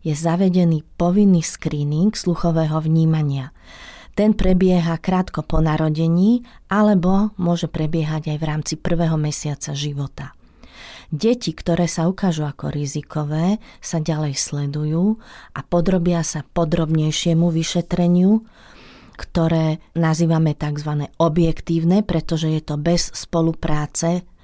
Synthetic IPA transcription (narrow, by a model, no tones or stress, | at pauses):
jɛzaʋɛɟɛniːpɔʋinːiːskɾiːniŋɡsluxɔʋɛːɦɔʋɲiːmaɲɪat̪ɛnpɾɛbɪɛɦakɾaːt̪kɔpɔnaɾɔɟɛɲiːʔalɛbɔmʊɔʒɛpɾɛbɪɛɦaɟajʋɾaːmt͡sipr̩ʋɛːɦɔmɛsɪat͡saʒiʋɔt̪a | ɟɛcikt̪ɔɾɛːsaukaːʒuakɔ̰ɾizikʰɔʋɛːsaɟalɛjslɛd̪ujuːʔapɔd̪ɾɔbɪasapɔd̪ɾɔbɲɛjʃɪɛmuʋiʃɛt̪ɾɛɲɪu | kt̪ɔɾɛːnaziːʋamɛt̪aɡzʋanɛːɔbjɛkt̪iːʊnɛpɾɛt̪ɔʒɛjɛt̪ɔbɛsːpɔlupɾaːt͡sɛ